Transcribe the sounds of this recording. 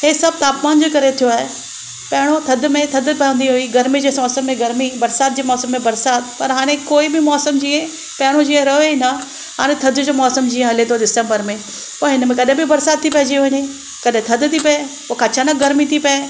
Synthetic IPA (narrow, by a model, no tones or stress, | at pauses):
heːsɐb̚t̪aːpmaːnd͡ʑokɐɾet̪ʰijoaːɦe | pɐɦɪɽ̃ot̪ʰɐd̪ʱʊmẽt̪ʰɐd̪pɐjə̃nd̪iɦʊiɡɐɾmid͡ʑeːsɔːsəmːẽɡɐɾmibɐɾsaːt̪̚d͡ʑeːmɔːsəmːẽbɐɾsaːt̪̚pɐɾɦaːɽ̃ekoːibɪmɔːsəmd͡ʑiːə̃ | pɐɦɪɽ̃od͡ʑiːə̃ɾɐɦoinɐ | ɦaːɽ̃ẽt̪ʰɐd̪ʱʊd͡ʑoːmɔːsəmd͡ʑĩːə̃ɦɐlet̪ʰoɖɪsə̃mbəɾmẽ | pɐɦɪnmẽkɐɗẽbɪbɐɾsaːd̪̚t̪ʰːipɐɦɪd͡ʑiɦʊɪni | kɐɗẽt̪ʰɐd̪̆t̪ʰipɐe | pokaːt͡ʃʰanɐɡɐɾmit̪ʰipɐe